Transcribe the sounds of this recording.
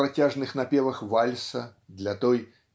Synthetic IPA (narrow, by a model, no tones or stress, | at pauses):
ɾat͡sʲaʐnɨxnapʲɛvɐxvalʲsɐd̪lʲɐt̪ɔj